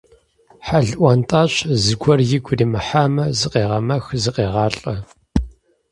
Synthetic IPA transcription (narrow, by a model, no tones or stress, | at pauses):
ħaɮʔʷɐntʼaːɕzɨɡʷʰɔrjɪɡʷʊriːmɨħaːmɐzɨqeːʁɐmɐxzɨqeːʁɑːɬʼɐ